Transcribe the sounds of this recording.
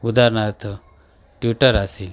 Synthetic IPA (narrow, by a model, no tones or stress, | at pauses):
ud̪aɾɳat̪ʰ | ʈjuʈəɾasel